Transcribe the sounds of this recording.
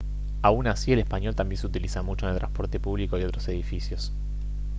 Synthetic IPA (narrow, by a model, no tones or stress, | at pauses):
aunasie̞lespaɲjo̞lt̪ambjenseut̪ilisamut͡ʃo̞nelt̪ɾã̰nspo̞ɾt̪e̞puβliko̞io̞t̪ɾose̞ð̞ifisjo̞s